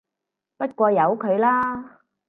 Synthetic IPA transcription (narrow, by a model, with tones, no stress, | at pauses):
pɐ˥t̚kʷɔː˧jɐ˨˧wkʰɵ˨˧ɥlaː˥